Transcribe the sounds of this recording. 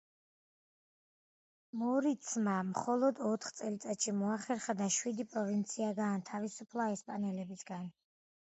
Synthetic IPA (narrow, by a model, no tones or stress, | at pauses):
mɔɾit̪sʰmamχɔlˠɔd̪ɔt̪ʰχt̪sʼɛlit̪sʼat̪ʃimɔaχɛɾχad̪aʃwid̪ipʼɾɔvint̪sʰiaɡant̪ʰavisupʰlˠaɛspʼanɛlɛbisɡan